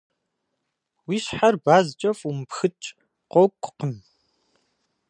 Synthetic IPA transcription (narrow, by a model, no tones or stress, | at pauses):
wiːɕħarbaːzt͡ʃʼɐfʼumpxɨt͡ʃʼ | qʷɔwkʷʼqəm